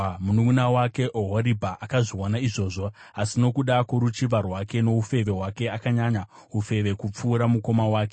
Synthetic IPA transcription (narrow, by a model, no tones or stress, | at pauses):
munuunawake̞ʔoɦoɾibʱaʔakaʐiwanaiʐo̞ːʐo̞ | asino̞kuɗakoɾut͡ʃiʋarwake̞no̞ufe̞ʋe̞ɦwake̞akaɲaɲa | ufe̞ʋe̞kup͡fuːɾamuko̞mawaːke